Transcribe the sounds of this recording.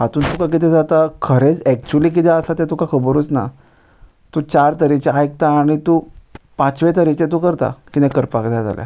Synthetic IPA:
ɦat̪uːnt̪ukakit̪ɛ̃d͡zat̪akʰəɾet͡sɛk̚t͡ɕuliːk̬it̪ɛəsat̪ɛ̃t̪ũkakʰəbəɾut͡sna̰ | t̪ut͡ɕaɾt̪əɾit͡ɕeajek̚t̪aːɽ̃it̪uːpãt͡sʋet̪əɾit͡ɕet̪ukəɾt̪a̰kit̪ɛ̃kəɾpakd͡zad͡za̰lja̰

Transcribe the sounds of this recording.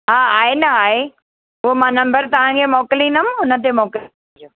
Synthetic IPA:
ɦaːaːenɐaːɦe | ɦʊɦomãːnɐ̃mbəɾt̪ɐʋ̤ãkʰemɔːkɪlĩnɐmʊnə̆t̪emɔːkɪl

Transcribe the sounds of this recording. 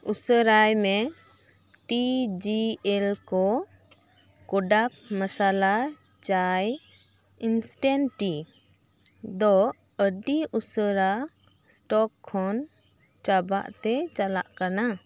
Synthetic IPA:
usəɾajmɛ | ʈid͡ʒiɛlkɔ | kɔɖak̚masala | t͡ʃaj | insʈɛnʈi | d̪ɔ | əɖiusəɾa | sʈɔkʰːɔn | t͡ʃaba̰ʔt̪ɛt͡ʃala̰ʔkana

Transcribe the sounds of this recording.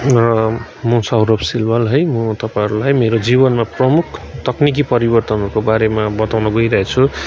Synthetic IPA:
rʌ | mʌsawɾobsilbʌlɦʌjmʌt̪ʌpaiɾulajmeɾod͡zibʌnmaprʌmukʰt̪ʌknik̬ipʌɾibʌrt̪ʌnʌɾukobaɾemabʌt̪awnʌɡʌjɾʌɦet͡sʰu

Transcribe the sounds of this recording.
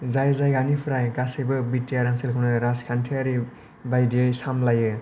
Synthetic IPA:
zajzajɡanipʰɾajɡasibɯbitːijaɾanselkʰɯwnɯɾaskʰantʰiaɾi | bajdiajsamlajɯ

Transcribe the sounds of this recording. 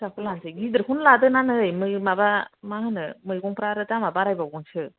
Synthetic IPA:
sakɯlansɯɡid̪ɯɾkunladɯnanɯjmɯjmabamahɯnɯmɯjɡuŋpɾaɾɯtamabaɾajbabɡunt͡ʃʰɯ

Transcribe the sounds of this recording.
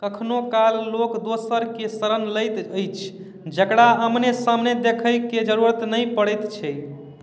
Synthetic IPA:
kəkʰnokalːokd̪osəɾkesəɾənləjt̪əjt͡ʃʰ | d͡ʒəkɽaɦəmnesamned̪ekʰəjked͡ʒəɾuɾət̪nəjpəɽəjt̪t͡ʃʰɛ

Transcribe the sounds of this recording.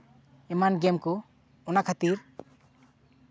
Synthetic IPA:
ɛmanɡɛmkɔ | ɔnakʰat̪iɾ

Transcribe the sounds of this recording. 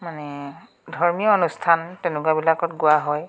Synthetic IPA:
manɛ | dʱɔɹmijɔɔnustʰantɛnʊkwabilakɔtɡʊaɦɔj

